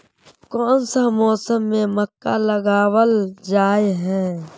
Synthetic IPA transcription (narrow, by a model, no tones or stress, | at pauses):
kɔːnsamɔːsəmːẽməkːaləɡaːwəld͡ʒaːeɦɛ̃ː